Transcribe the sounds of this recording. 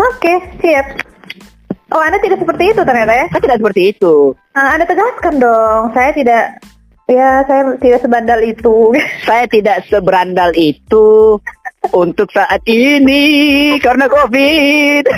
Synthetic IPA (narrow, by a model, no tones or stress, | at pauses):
okesiat̪̚ | ʔoandat̪idaʔsəpərt̪iːt̪ut̪ərɲat̪ajaaat̪idaʔsəpərt̪iːt̪u | əandat̪əɡaskandɔŋsajat̪idaʔ | jasajat̪idaʔsəbandalit̪usajat̪idaʔsəbəɾandalit̪u | unt̪ʊksaʔat̪̚inikarnakofɪt̪̚